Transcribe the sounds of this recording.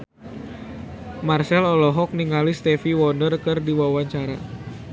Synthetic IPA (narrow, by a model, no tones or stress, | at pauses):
marsɛlɔlɔɦɔk̚niŋalist̪ɛfiwɔndərkɨrdiwawaɲt͡ʃaɾa̰